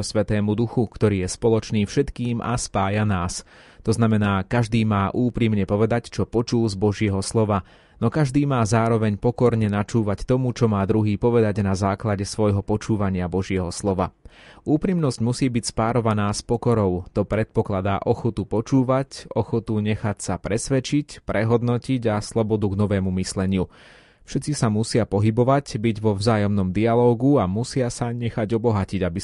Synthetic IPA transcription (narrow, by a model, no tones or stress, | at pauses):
sʋɛt̪ɛːmud̪uxukt̪ɔɾiːjɛspɔlɔt͡ʃniːfʃɛt̪kiːma̰spaːjanaːst̪ɔznamɛnaːkaʒd̪iːmaːʔuːpɾimɲɛpɔʋɛd̪act͡ʃɔpɔt͡ʃulzbɔʒɪɛɦɔslɔʋa | nɔkaʒd̪iːmaːzaːɾɔʋɛɲpɔkɔɾɲɛnat͡ʃuːʋact̪ɔmut͡ʃɔmaːd̪ɾuɦiːpɔʋɛd̪aɟnazaːklaɟɛsʋɔjɦɔpɔt͡ʃuːʋaɲɪabɔʒɪɛɦɔslɔʋauːpɾimnɔszɟmusiːbicspaːɾɔʋanaːspɔkɔɾɔʊt̪ɔpɾɛt̪̚pɔklad̪aːʔɔxɔt̪upɔt͡ʃuːʋacɔxɔt̪uɲɛxacsapɾɛsʋɛt͡ʃicpɾɛɦɔd̪nɔciɟaslɔbɔd̪uɡnɔʋɛːmumislɛɲɪu | fʃɛt͡sisamusɪapɔɦibɔʋacbiɟʋɔvzaːjɔmnɔmd̪ialɔːɡuamusɪasaɲɛxaɟɔbɔɦaciɟabi